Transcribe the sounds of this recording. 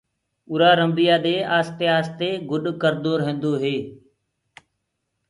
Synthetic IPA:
ʊːɾaːɾəmbijaːd̪eːaːst̪eːaːst̪eːɡʊɗkəɾd̪oːɾɦẽːnd̪oːɦeː

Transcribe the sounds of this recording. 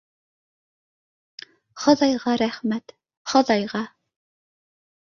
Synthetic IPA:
χɑðɑjʁɑɾæχmæt̪ | χɤðɑjʁɑ

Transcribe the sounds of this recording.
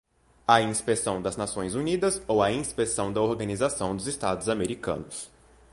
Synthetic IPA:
ɐĩspesɐ̃w̃d̪ɐznasõj̃zunid̪ɐzowɐĩspesɐ̃w̃d̪ɐoɾɡɐ̃nizasɐ̃w̃d̪ʊzɪst̪ad̪ʊzameɾikɐ̰̃nʊs

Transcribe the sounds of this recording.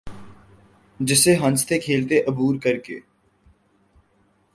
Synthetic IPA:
d͡ʒɪseɦɐ̃nst̪ekʰeːlt̪eʔɐbuːɾkəɾkḛː

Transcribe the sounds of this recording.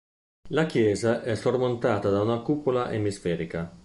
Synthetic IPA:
lakjɛːzaʔɛsormont̪aːt̪ad̪aunakupolaʔemisfɛːɾika

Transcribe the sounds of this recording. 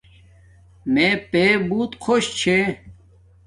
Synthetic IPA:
meːpeːbuːt̪kʰoɕt͡ɕʰe

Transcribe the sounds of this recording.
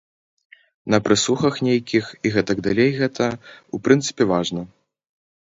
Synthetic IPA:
nɐpɾɨsuxɐxnʲejkʲixiɣɛt̪ɐɡd̪alʲejɣɛt̪ʰɐupɾɨnt̪sɨ̥pʲɛvaʐnɐ

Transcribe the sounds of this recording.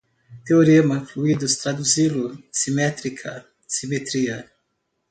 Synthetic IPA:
t̪eoɾemɐfluid̪ust̪ɾad̪uzilusimɛt̪ɾikʰɐ | simet̪ɾiɐ

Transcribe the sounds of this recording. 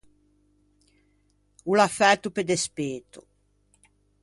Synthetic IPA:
ulafɛt̪ːuped̪espeːt̪ṵ

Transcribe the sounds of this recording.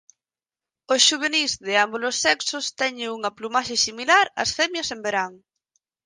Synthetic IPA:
osʃuβ̞enizðɪambulosːɛksʊst̪ɛɲɪuŋɐplumaʃesimilaɾɐ̰sfɛmjɐsembeɾaŋ

